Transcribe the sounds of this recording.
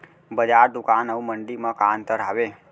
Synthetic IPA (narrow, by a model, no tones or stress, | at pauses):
bəd͡ʒaɾd̪ukanəũməɳɖimãkant̪əɾaʋe